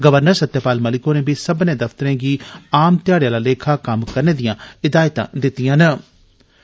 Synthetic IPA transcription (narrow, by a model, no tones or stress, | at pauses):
ɡəʋəɾnəɾsət̪ːjapaːlməlɪkoːneːbiːsəbnẽːd̪əft̪əɾẽːɡiːaːmt̪ɪjaːɽjãːlaːleːkʰaːkəmkəɾneːd̪ijãːɪd̪aːjt̪ã̰ːd̪ɪt̪ːijãːnə